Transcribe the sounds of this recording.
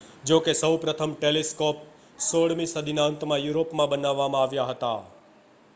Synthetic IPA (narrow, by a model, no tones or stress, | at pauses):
d͡ʒokesəwpɾət̪ʰəmʈeleskop̚ | soɽmisəd̪ʱinaənt̪mãjuɾopmãbənaʋːamãaʋjaɦət̪a